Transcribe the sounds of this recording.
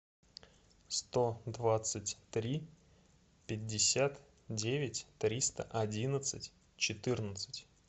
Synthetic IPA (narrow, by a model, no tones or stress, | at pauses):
st̪od̪vat̪sɨtʲt̪ɾʲi | pʲɪdʲːɪsʲat̪ | dʲevʲɪtʲt̪ɾʲist̪ə̰ʔɐdʲinət̪sɨtʲ | t͡ɕɪt̪ɨrnət̪sɨtʲ